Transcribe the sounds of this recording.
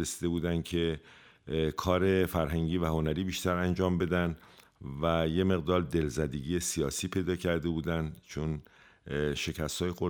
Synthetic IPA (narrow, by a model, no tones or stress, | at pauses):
esid̪e̞buːd̪ænd̪̥cʰe | kʰɒːɾe̞fæɾɦæŋɟiːvæho̞næɾiːbiːʃt̪æɾænd͡ʒɒːmbe̞d̪ænvæje̞me̞ɣd̪ɒːɾd̪e̞lzæd̪eɟijesijɒːsiːpʰe̞jd̪ɒːcʰæɾd̪e̞buːd̪ænd̪t͡ʃʰon | ʃe̞cʰæst̪hɒːjexo